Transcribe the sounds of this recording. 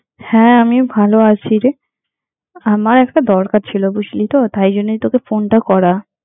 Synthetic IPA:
hɛ̃amibʱaloat͡ɕʰiɾ | amaɾɛkʈad̪ɔɾkaɾt͡ɕʰilobuʃlit̪ot̪ajd͡ʑonːet̪okefonʈakɔɾa

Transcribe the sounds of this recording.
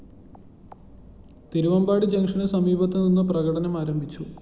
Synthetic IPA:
t̪iɾuʋɐmbaːɽid͡ʑɐŋʂɐnɨsɐmiːbʱɐt̪ːeninːɨprɐɣɐɽɐnɐmaːɾɐmbʱit͡ɕːu

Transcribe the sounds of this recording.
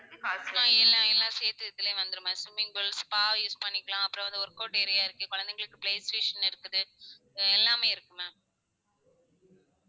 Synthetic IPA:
aɛlːãːɛlːãːseːt̪ɯt̪ːɪleːʋɐnd̪ɯɾɯmɐ̃sʊmɪŋɡɯɭspaːjuːspɐɳːɪkːɐɭãːɐpːɯɾɐ̃ʋɐnd̪ɯɔɾɯkoːʈːɪɾɐjaːɪɾɯkːɯkɔɻɐnd̪ɛŋɡɐɭɯkːɯpleːsʈeːʂɐnɪɾɯkːɯðɯ | ɛlːaːmeːɪɾɯkːɯmẽ

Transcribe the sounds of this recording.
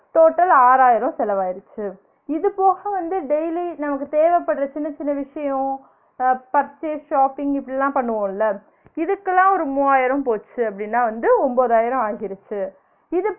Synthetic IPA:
t̪oːʈːɐlaːɾaːjɪɾɔ̃sɛlɐʋaːɪɾɯt͡ʃːɯ | ɪðɯpoːɣɐʋɐnd̪ɯɖɛjlinɐmɐkːɯt̪eːʋɛpːɐɽɾɐt͡ʃɪnːɐt͡ʃɪnːɐʋɪʂɐjɔ̃ | pɐɾt͡ʃːeʂaːpɪŋɡɪpːɐɽɪlːãːpɐɳːɯʋõːɪlːɐ | ɪðɯkːɐlːãːɔɾɯmuːaːjɪɾɐ̃mpoːt͡ʃːɯɐpːɐɽɪnːaːʋɐnd̪ɯɔmboːðaːjɪɾɔ̃aːɣɪɾɯt͡ʃːɯ | ɪðɯ

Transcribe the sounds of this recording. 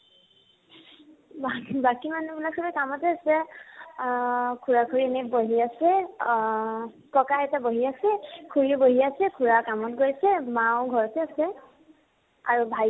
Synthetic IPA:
babakimanubilak̚sʰɔlɛkamɔtɛasɛ | kʰuɹakʰuɹienɛboɦiasɛ | kɔkaɦɛtaboɦiasɛkʰuɹiboɦiasɛkʰuɹakamɔtɡojsɛmaʊ̃ɡʱɔɹɔtɛasɛ | a̰ɹubʱaj

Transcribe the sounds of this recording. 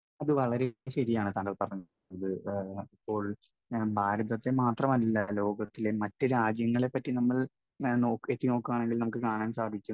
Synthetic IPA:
ɐðɨʋɐɭɐɾeɕɐɾijaːɳɨt̪aːnɐlpɐrɐɲː | ɐðɨipːo̞ːɭ | bʱaːɾɐðɐt̪ːe̞maːt̪rɐmɐlːɐlo̞ːɡɐt̪ːilemɐtːɨɾaːd͡ʑjɐŋːɐɭe̞pːɐtːinɐmːɐɭ | no̞ːket̪ːino̞ːkːuaːɳe̞ŋɡilnɐmukːɨkaːɳaːnsaːd̪ʱikʲːu

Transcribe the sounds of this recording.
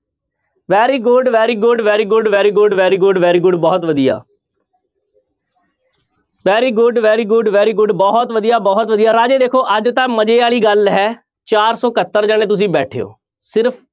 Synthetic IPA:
ʋɛːɾiːɡʊɖʋɛːɾiːɡʊɖʋɛːɾiːɡʊɖʋɛːɾiːɡʊɖʋɛːɾiːɡʊɖʋɛːɾiːɡʊɖbɔːt̪ʋəd̪ija̰ː | ʋɛːɾiːɡʊɖʋɛːɾiːɡʊɖʋɛːɾiːɡʊɖbɔːt̪ʋəd̪ijaːbɔːt̪ʋəd̪ijaːɾaːd͡ʒeːd̪eːkʰoːʔəd͡ʒt̪ãːməd͡ʒeːaːɭiːɡəlɦɛː | t͡ʃaːɾsɔːkət̪ːəɾd͡ʒaːneːt̪ʊs̬ĩːbɛːʈʰeːo̰ː | sɪɾpʰ

